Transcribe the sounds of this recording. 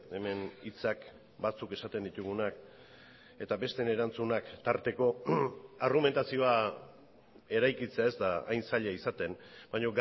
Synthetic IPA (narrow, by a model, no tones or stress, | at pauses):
e̞me̞nit͡sak | bat͡suke̞sat̪e̞nd̪it̪uɣ̞unak | e̞t̪abe̞st̪e̞ne̞ɾant͡sunakt̪aɾt̪e̞ko̞arɣume̞nt̪asio̞a | e̞ɾajkit͡se̞ae̞zd̪a̰ːjnsaʎeaisat̪e̞nbaɲo̞ɡ